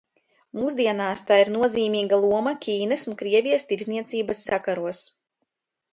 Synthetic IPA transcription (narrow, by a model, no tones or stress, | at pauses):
muːszd̪iɛnaːst̪aːiɾnuɔziːmiːɡalˠuɔmakʲiːnɛsunkɾiɛvʲijəst̪iɾzniɛt̪siːbasːakaɾuɔs